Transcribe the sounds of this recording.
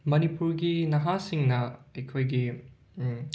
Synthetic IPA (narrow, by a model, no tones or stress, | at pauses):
mɐnipuɾɡinɐɦasiŋnɐɐjkʰojɡi